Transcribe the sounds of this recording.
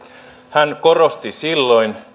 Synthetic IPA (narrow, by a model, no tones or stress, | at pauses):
hæŋko̞rost̪isilːo̞jn